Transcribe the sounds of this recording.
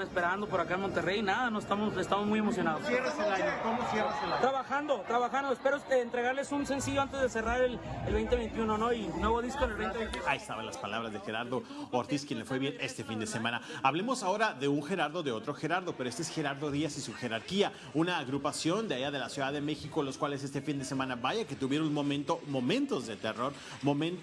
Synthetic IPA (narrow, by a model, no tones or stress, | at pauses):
espeɾand̪opoɾakaenmo̞nt̪erejnaðanoest̪amosest̪amozmujemosjonaðosjereselaɲokomosereset̪ɾaβaxand̪o̞t̪ɾaβaxand̪oespe̞ɾoeːnt̪ɾe̞ɣaɾle̞sunse̞nsiʝoant̪e̞zðeseraɾelelβejnt̪eβe̞jnt̪iunonoinweβo̞ðiskonelβejneej̪t̪aest̪aβenlaspalaβɾazðexe̞ɾaɾðooɾt̪iskje̞nle̞fwe̞βje̞ne̞st̪e̞find̪e̞se̞mãnaaβle̞mo̞sao̞ɾaðe̞uŋxe̞ɾaɾðo̞ðe̞o̞t̪ɾo̞xe̞ɾaɾðo̞pe̞ɾoest̪esxe̞ɾaɾðo̞ðiasisuxe̞ɾaɾkia | unaːɣɾupasjo̞nd̪eaʝaðe̞lasjuðaðeme̞xikolo̞skwale̞s̬e̞st̪e̞find̪e̞se̞mãnaβaʝake̞t̪uβje̞ɾonmomẽnt̪omo̞mẽnt̪o̞zðe̞t̪e̞ro̞ɾ | mo̞mẽn